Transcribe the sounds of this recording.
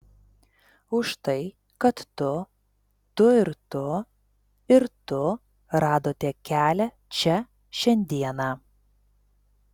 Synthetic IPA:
ʊʃt̪ɐɪ | kɐt̪ːʊ | t̪ʊɪɾt̪ʊ | ɪɾt̪ʊ | ɾɑːd̪oːt̪ʲiɛkʲæːlʲɛ | t͡ʃʲɛ | ʃʲɛnʲd̪ʲiɛnɑː

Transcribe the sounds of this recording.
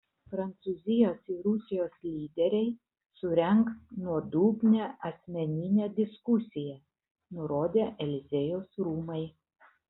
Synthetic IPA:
pɾɐnt̪suːzʲɪjoːsɪɾʊsʲɪjoːslʲiːd̪ʲɛɾʲɛɪ | sʊɾʲɛŋknuɔd̪uːbʲnʲɛːʔɐsʲmʲɛnʲɪnʲeːd̪ʲɪskʊsʲɪjɛ | nʊɾoːd̪ʲeːʔɛlʲɪzʲejoːsɾuːmɐɪ

